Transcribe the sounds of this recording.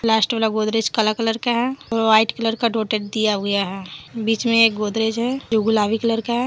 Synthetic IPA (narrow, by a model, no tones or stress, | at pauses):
laːsʈeʋalaɡoːd̪ɾed͡ʒkəlakələɾkaɦɛɔːɾʋaːɪʈkələɾkaɖoːʈeʈ̚d̪ijaɡəjaɦɛbiːt͡ʃmẽeːk̚ɡoːd̪ɾed͡ʒɦɛd͡ʒuɡulaːʋikələɾkaɦɛ